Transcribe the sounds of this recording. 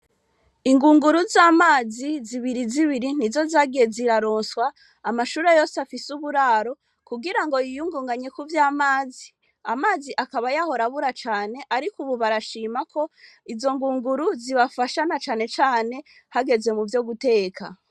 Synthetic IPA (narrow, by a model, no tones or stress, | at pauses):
iŋɡuːŋɡuɾuzaːmaːziziβiɾiziβiɾin̥izo̞zaːɡieziɾaɾo̞ːnswaː | maʃuːɾejo̞ːseafisuβuɾaːɾo̞ | kuɡiɾaŋɡo̞jijuŋɡuːŋɡaɲe̞kuvjaːmaːzi | amaːziʔakaβajaho̞ɾaβuɾat͡ʃaːne̞ʔaɾikuβuβaɾaʃiːmakʰo̞ | izo̞ŋɡuːŋɡuɾuziβafaʃanat͡ʃaːne̞t͡ʃaːne̞ | haɡe̞zwe̞muvjo̞ɡute̞ːkʰa̰